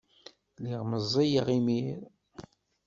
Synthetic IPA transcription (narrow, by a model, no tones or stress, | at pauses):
liʁməzˤːijʁimiɾ